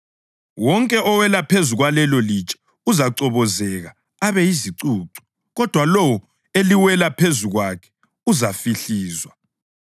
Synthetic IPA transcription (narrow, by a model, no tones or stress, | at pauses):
wɔŋkʼɛʔɔwɛlapʰezuɣwalɛlɔlit͡ʃʼɛ̥ | uzaǀɔβɔzɛɣa | aβɛjiziǀuːǀu̥ | ɣɔd̥ʱwalɔwɔ | eliwɛlapʰezuɣwakʰɛ̥ | uzafiɬiːzwa